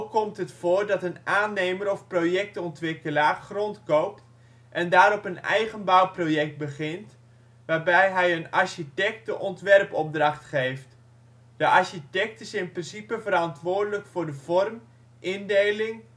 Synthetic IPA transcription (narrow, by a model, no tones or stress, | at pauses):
kɔmtɦətfoːɹdɑtənaːnːejməɾɔfprojɛk̚tɔntʋɪkəlaːχrɔntkowp̚t | ʔɛndaːɾɔpənɛ̰jχənbawprojɛk̚t̚bəχɪnt | ʋaːrbɛjɦɛjənɑɹʃitɛk̚tdəʔɔntʋɛrpɔb̚drɑχtχejft | d̥əʔɑɹʃitɛk̚təsɛɪnprɪnsipəvəɾɑntʋʊːɹdələkfʊːɹdəvɔrm | ʔɪndejlɪŋ